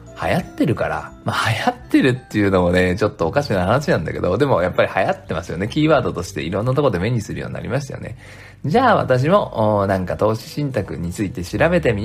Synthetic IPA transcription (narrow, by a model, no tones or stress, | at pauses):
ha̰jat̪ːe̞ɾɯ̟kaɾa̰mahajat̪ːe̞ɾɯ̟t̪ːe̞jɯ̟no̞mone̞t͡ɕo̞t̪ːo̞ːkaɕinahanaɕinãnd̪a̰ke̞d̪o̞d̪e̞mo̞japːaɾʲihajat̪ːe̞masɨjo̞̰ne̞kʲiːβaːd̪o̞t̪o̞ɕi̥t̪e̞̰ḭɾõ̞nːat̪o̞ko̞d̪e̞me̞ɲ̟isɨɾɯ̟jo̞̰ːɲḭna̰ɾʲḭmaɕ̬t̪ajo̰ne̞̰ | d͡ʑaːβa̰t̪aɕ̬imo̞ːnãŋkat̪o̞ːɕi̥ɕĩnt̪akɯ̟̰ɲ̟it͡sɨit̪e̞ɕiɾabe̞t̪e̞mʲi